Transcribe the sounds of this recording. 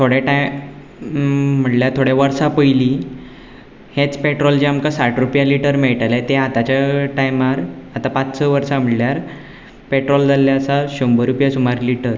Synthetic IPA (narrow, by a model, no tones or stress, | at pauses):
t̪ʰoɽjeʈaj | m̤əʈljaɾt̪ʰoɽjaʋəɾsapəjli | het͡speʈɾɔld͡ʑiamkasaʈʰɾupjaliʈəɾmɛɭʈalajt̪eat̪at͡ɕaʈajmaɾat̪apat͡ssəʋəɾsam̤əɽljaɾ | peʈɾɔld͡zaljaəsaɕombəɾupjasumaɾliʈəɾ